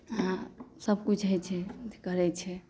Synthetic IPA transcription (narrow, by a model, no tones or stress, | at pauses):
asəb̚ʱkut͡ʃʰɦəjt͡ʃʰɛd͡ʒɛkəɾɛt͡ʃʰɛ